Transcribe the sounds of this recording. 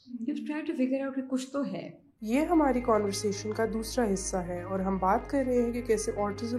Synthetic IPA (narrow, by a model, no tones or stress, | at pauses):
juːʈɾaːɪʈufɪɡəɾaʊʈ̚kikʊt͡ʃʰt̪oɦɛ̰ː | jeːɦɐmaːɾikaːnʋəɾseːʃənkad̪uːsɾaɦɪsːaɦɛːɔːɾɦɐmbaːt̪kɐɾɾɐɦeɦɛ̃kikɛːseʔɔːɾʈəz